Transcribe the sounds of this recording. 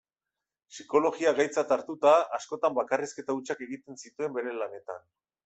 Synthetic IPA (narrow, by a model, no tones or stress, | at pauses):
siko̞lo̞ɣiaɣajt͡sat̪aɾt̪ut̪aːsko̞t̪ambakariske̞t̪aut͡ʃake̞ɣit̪e̞nsit̪ue̞mbe̞ɾe̞lane̞t̪a̰n